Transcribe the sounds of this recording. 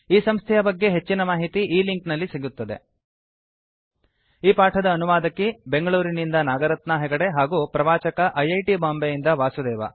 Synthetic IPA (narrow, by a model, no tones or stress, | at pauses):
iːsɐmst̪ʰɛjɐbɐɡːe̞ɦe̞t͡ʃːinɐmaːɦit̪iʔiːliŋknɐlːiseɡut̪ːɐd̪e̞̰ | iːpaːʈʰɐd̪ɐːnuʋaːd̪ɐkːibe̞ŋɡɐɭuːɾinind̪ɐnaːɡɐɾɐt̪nɐɦɛɡɐɽe̞ɦaːɡuːpɾɐʋaːt͡ʃɐkɐʔɐjɐjʈibaːmbejind̪ɐʋaːsud̪ɛːʋɐ̰